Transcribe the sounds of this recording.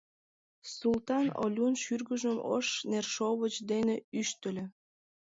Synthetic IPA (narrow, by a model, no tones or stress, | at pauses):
sult̪ɑno̰lʲunʃyrɡəʒəmə̰ʃnerʃoβət͡ɕd̪eneyʃt̪əlʲĕ